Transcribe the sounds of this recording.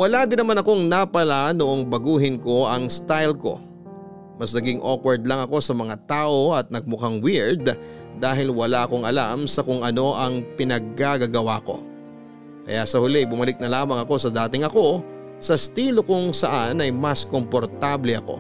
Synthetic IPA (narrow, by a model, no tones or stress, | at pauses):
wɐlad̪ɪnɐmanɐko̞ŋnapɐlanoʔoŋbɐɡuːɦɪnko̞ʔɐŋst̪ajlko̞̰ | mɐsnɐɡɪŋʔokwɛɹd̪̚lɐŋɐko̞sɐmɐŋat̪aːʔo̞ɐt̪̚nɐɡ̚mʊkaŋwiɹd̪̚ː | aːɦɪlwɐlaʔɐko̞ŋɐlamsɐkʊŋʔɐno̞ʔɐŋpɪnɐɡ̚ːaɡɐɡɐwako̞̰ | kɐ̰jasɐhʊlɛbʊmɐlɪk̚nɐlaːmɐŋɐko̞sɐd̪aːt̪ɪŋɐko̞ | sɐst̪iːlokʊŋsɐʔanɐjmɐsko̞mpo̞ɾt̪ablɛɐko̞̰